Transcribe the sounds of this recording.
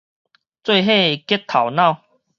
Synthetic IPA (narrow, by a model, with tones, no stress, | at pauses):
t͡swe˥˧ɦe˥˧kjɛ˦˥t̪ʰa˨˩wna˥˨ʊ